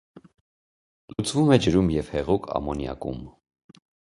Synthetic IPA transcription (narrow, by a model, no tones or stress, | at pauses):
lut͡svumɛd͡ʒəɾumjɛv̥hɛʁukʰɑ̰mɔnjɑ̰kṵm